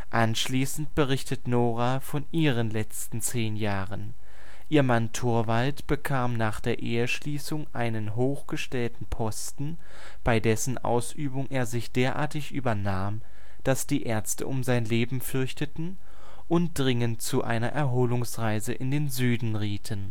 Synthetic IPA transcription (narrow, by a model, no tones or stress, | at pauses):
ʔanʃliːsn̩tb̥əʁ̞ɪçtətnoːʁafɔnʔiːʁənlɛt͡stn̩t͡seːnjaːʁən | ʔiːɐmantʰʊɐvaltb̥əkʰaːmnaːχd̥eːɐʔeːəʃliːsʊŋʔaɪnənɦoːxɡ̥əʃtɛltn̩pʰɔstn̩ | b̥aɪdɛsn̩ʔa̰ʊsʔyːbʊŋʔeːɐzɪçd̥eːɐʔa̰ːɐtɪçʔyːbɐnaːm | d̥asd̥iːʔeːɐt͡stə̰ʔʊmzaɪnleːbm̩fʏɐçtətn̩ | ʔʊntd̥ʁɪŋənt̚t͡suʔa̰ɪnɐʔɛɐɦoːlʊŋsʁaɪzəʔɪndeːnzyːdn̩ʁiːtʰən